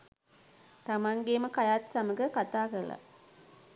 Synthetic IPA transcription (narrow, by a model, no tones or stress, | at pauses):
t̪amaŋɡeməkajaːt̪saməɡəkat̪aːkəɾla̰